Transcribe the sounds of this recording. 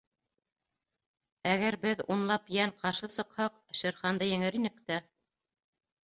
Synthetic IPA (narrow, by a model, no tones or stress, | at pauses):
æɣæɾbɘðunlˠɑpjæɴqɑɾʃɤsɤ̆qhɑq | ʃɘ̆ɾχɑnd̪ɤjɘ̆ŋɘɾinɘ̆kt̪æ